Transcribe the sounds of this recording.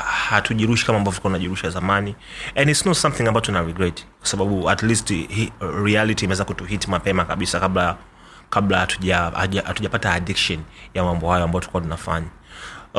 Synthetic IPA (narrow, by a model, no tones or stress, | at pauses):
hatuʄiɾuʃikamaːmbavɔvtikuatunaʄiɾuʃiazamaniɛ̃nditsnɔtsamθĩŋambaɔtunaɹiɡɾɛtkwḁsaɓaɓuatlisthɹialitiːmɛwɛzakutuhitimapɛmakaɓisakaɓla | kaɓlatu̥ʄaahatuʄapataːɗikʃɔnjamambɔhajɔambajɔtu̥kuwatunafa̰ɲa